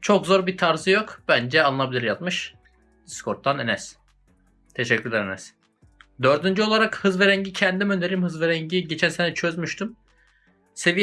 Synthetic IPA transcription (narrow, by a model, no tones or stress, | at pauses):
t͡ʃʰo̞kzo̞ɾbit̪ʰaɾzɯjo̞kb̥ænd͡ʒɛalˠɯnabilʲiɾjat̪̚mɯʃ | d̪iskʰo̞ɾt̪ʰːanenɛs | t̪ʰe̞ʃɛcːyɾlʲɛɾenɛs | d̪ø̞ɾd̪ynd͡ʒyo̞lˠaɾakhɯzveɾɛɲɟicʰɛnd̪imønd̪eɾimhɯzveɾæɲɟiɟe̞t͡ʃʰænsenɛt͡ʃʰøzmyʃt̪ʰym | se̞vij